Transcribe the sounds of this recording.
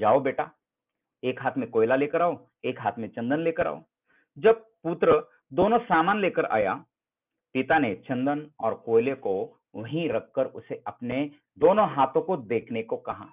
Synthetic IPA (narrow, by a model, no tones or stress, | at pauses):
d͡ʒaːobeːʈaː | eːkɦaːt̪ʰmẽkoːɪlaleːkəɾaːo | eːkɦaːt̪ʰmẽt͡ʃɐ̃nd̪ənleːkəɾa̰ːo̰ː | d͡ʒɐb̚ | put̪ɾə | d̪oːnõsaːmaːnleːkəɾa̰ːja̰ | pɪt̪anet͡ʃɐ̃nd̪ənɔ̰ːɾkoːɪleko | ɐɦĩɾɐkːəɾʊ̰seɐpne | d̪oːnõɦaːt̪õkod̪eːkʰnekokɐɦaː